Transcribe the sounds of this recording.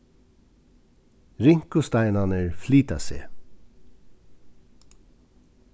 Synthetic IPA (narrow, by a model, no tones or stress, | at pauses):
ɾɪŋ̥kʊst̪aɪnanəɹfliːt̪asḛː